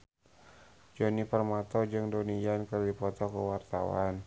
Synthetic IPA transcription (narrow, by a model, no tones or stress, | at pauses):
d͡ʒonipərmat̪ɔd͡ʒɨŋdonijankərlipɔt̪ɔkəwart̪a̰wa̰n